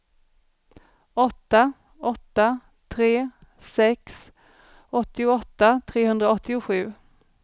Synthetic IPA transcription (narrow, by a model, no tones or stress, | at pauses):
ɔt̪ːa | ɔt̪ːa | t̪ʰɾeː | sɛks | ɔt̪ːɪʊɔt̪ːat̪ʰɾeːɦɵnd̪ɾaɔt̪ːɪʊɧʉ̟ː